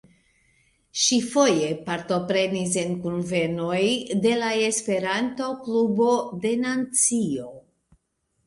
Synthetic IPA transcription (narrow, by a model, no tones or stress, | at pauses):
ʃifo̞je̞paɾto̞pɾe̞nis̬enkunve̞no̞jde̞lae̞spe̞ɾantoklubo̞de̞nat͡sio̞